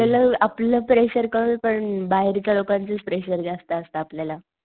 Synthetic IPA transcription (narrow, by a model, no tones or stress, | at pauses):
aləaplləpɾeɕəɾkəʋipəɳbaɦeɾt͡ɕjalokãnt͡sət͡spɾeɕəɾd͡zast̪aːst̪aːpljala